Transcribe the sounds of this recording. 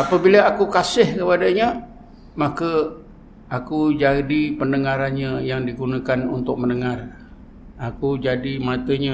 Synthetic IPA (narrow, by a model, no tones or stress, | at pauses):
apəbiləakukasɪhkəpadəɲə | mãkə | akud͡ʒadipənəŋaɾanɲə̃jaŋdiɡunakanunt̪ʊk̚mənəŋar | akud͡ʒadimãt̪əɲə